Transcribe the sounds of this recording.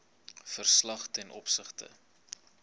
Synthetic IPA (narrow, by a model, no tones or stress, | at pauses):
fərslɐχtɛnʔɔ̰psəχtə̰